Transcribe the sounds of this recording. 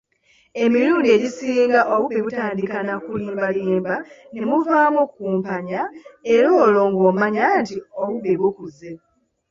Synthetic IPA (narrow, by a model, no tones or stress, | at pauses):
e̞miɾuːndie̞ɟisiːŋɡaʔoβuβeβutaːndikanakuliːmbaliːmbanemuvaːmukuːmpaɲae̞ɾoːlo̞ŋɡoːmaɲantio̞βuβeβukuze